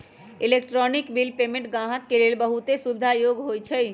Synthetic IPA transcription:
ilekʈɾɔnikbilpemẽɳʈɡãɦək̪ːelelbəɦut̪esubid̪ʱajoɡɦojt͡ʃʰɛj

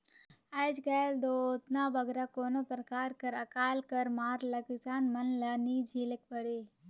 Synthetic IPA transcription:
aːd͡ʒɡɐld̪oːt̪naːʋɐɡɾakoːnopɾəkaːɾkɐɾɐkaːlkɐɾmaːɾlɐɡsaːnmɐnlɐniːd͡ʒʱiːlekpəɽeː

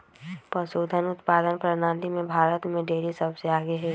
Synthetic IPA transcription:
pəsoːd̪ʱənʊt̪paːd̪ənpɾɐnaːlimẽbʱaːɾət̪mẽɖeːɾisəbseaːɡeɦɛː

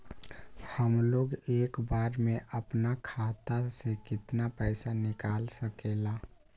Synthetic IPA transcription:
həmloɡeːkbaːɾmẽʔəpnakʰat̪asekɪt̪napɛɪsanɪkaːlsəkela

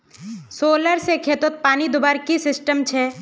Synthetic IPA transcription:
soːləɾsekʰeːt̪ʊt̪̚paːnid̪ʊbaɾkisɪsʈəmt͡ʃʰɛ

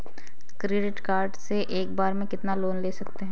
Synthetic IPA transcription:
kɾeːɖɪʈkaːɾɖseʔeːk̚baːɾmẽkɪt̪naloːnleːsɐk̚t̪eɦɛ̃ː

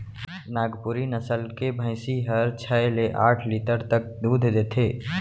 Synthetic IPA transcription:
naːɡpuɾinəsəlkebʱə̃ɪsiɦəɾt͡ʃʰɛleʔaːʈʰlit̪əɾt̪ək̚d̪uːd̪ʱd̪eːt̪ʰeː

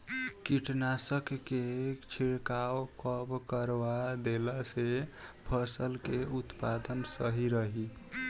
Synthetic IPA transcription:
kiʈnasəkːet͡ʃʰiɽkawkəbkəɾbad̪elasebʰʱəsəlkeut̪pad̪ənsəɦiɾəɦi

